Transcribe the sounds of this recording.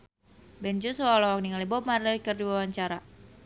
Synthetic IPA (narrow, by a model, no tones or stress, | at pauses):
bɛnd͡ʒusualɔwakniŋalibɔmardalikərduawaɲt͡ʃaɾa